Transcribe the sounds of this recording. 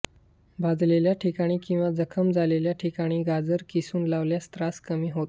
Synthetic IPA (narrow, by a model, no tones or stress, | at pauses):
bʱad̪ʱleljaʈʰikaɽ̃iːkĩw̃ʋad͡zəkʰəmd͡zʱaleljaʈʰikaɽ̃iːɡad͡zəɾkisuːnlaʋljast̪ɾaskəmiːɦot̪